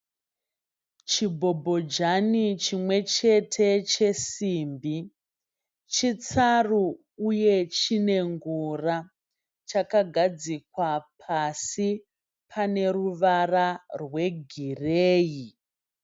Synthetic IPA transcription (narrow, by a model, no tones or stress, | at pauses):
t͡ʃibʱo̞bʱo̞d͡ʒanit͡ʃimwe̞t͡ʃe̞tʰe̞t͡ʃe̞siːmbi | t͡ʃit͡saru | uje̞t͡ʃine̞ŋɡura | t͡ʃakaɡʱad͡zik̚wapʰasi | pʰane̞ruʋararwe̞ɡʱireːji